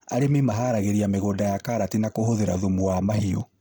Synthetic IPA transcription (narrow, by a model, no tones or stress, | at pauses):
aɾemimaɦaɾaɣeɾiameɣodajakaɾatinakohoðeɾa̰ðumuwamahio